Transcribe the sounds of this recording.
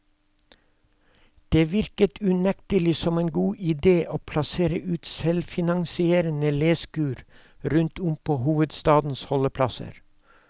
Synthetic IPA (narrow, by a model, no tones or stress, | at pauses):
d̪̥eːʋɪɾkət̪ʰʉnɛkt̪əlɪsɔmeːnɡuːʔɪd̪eːʔoːpʰlɑseːɾəʔʉːt̪sɛlfɪnɑŋsɪeːɾənəleːskʉːɾ | ɾʉnt̪ʰʊmpʰoːhuːʋəd̪st̪ɑːd̪n̩shɔləpʰlɑsə̰ɾ